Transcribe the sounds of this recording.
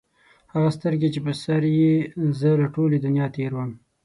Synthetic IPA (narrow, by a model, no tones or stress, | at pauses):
haɣast̪əɾɡet͡ʃepəsaɾjezəlaʈoled̪ʊnjɑt̪eɾwəm